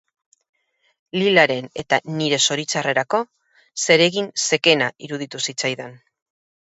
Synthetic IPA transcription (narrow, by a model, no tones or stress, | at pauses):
lilaɾe̞ne̞t̪aniɾe̞so̞ɾit͡sare̞ɾako̞ | se̞ɾe̞ɣinse̞ke̞naiɾuð̞it̪usit͡sajðen